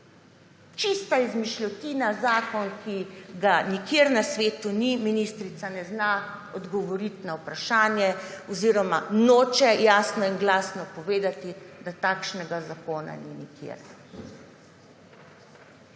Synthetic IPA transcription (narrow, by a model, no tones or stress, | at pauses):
t͡ʃist̪aizmiʃlɔt̪inazaːkɔnkʰiɡanikeɾnasʋeːt̪uniminist̪ɾit̪sanɛznaɔd̪ɡɔʋɔɾit̪nawpɾaʃaːnjɛɔziɾɔmanoːt͡ʃɛjaːsnɔiŋɡlaːsnɔpɔʋeːd̪at̪id̪at̪aːkʃnɛɡazakoːna̰ninikʰḛɾ